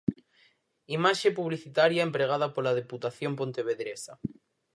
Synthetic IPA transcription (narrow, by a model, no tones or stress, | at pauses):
imaʃepuβliθit̪aɾjaempɾeɣ̞að̞apolað̞eput̪aθjompont̪eβeðɾesa